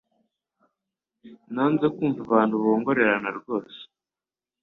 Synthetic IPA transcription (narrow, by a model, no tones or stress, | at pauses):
naːnzekuːɱvuβaːntuβo̞ːŋɡo̞ɾe̞ɾanaɾɡo̞ːse̥